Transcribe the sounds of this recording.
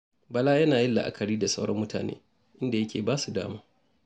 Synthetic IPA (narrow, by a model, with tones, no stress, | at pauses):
bɐ˨laː˦jɐ˦naː˨jɪ˦lːa̰˨ʔa̰˨kʰɐ˨ɽiː˦da˨sa˦wɽɐ̰˦mːʊ˦ta̰ː˨nḛː˦ | ʔɪ˦nda˨jɐ˦kʲʰḛː˨baː˦su˨da̰ː˦maː˦